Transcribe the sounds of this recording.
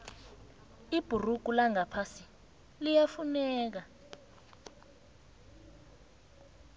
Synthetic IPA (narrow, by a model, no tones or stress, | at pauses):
ib̥ʱuruɡ̥̬ʱʼulaŋapʰasi | lijafunɛːk̬a